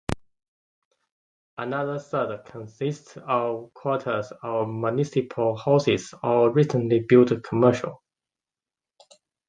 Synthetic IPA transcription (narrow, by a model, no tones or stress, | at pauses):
ʔənaðəsədkʰə̃nsɪstsəvkʰw̥ɔˑtʰəzəmjənɪsɪpʰəlˠhɔsɪzəɹɪtʰə̃nlibɪlˠtkʰəmɜˑʃə̰lˠ